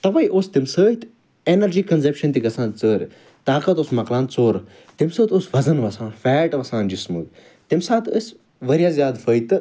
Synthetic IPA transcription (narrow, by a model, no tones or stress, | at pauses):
t̪ɐʋɐːjʔoːst̪imsəːjt̪ | enɐɾd͡ʒiːkɐnzepʃɐnt̪iɡɐsãːnt͡səːɾʲ | t̪aːkɐt̪oːsmɐklãːnt͡soːɾ | t̪imsəːt̪oːsʋɐzɐnʋɐsãːnfɛːʈʋɐsãːnd͡ʒismu | t̪imsãːt̪əs | ʋɐɾjaːzʲjaːd̪fəːjt̪ɨ